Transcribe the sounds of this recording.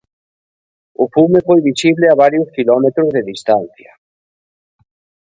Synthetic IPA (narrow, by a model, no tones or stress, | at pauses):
ʊfumefojβisiβlɪaβ̞aɾjʊskilɔmet̪ɾʊzðeðist̪an̟θjɐ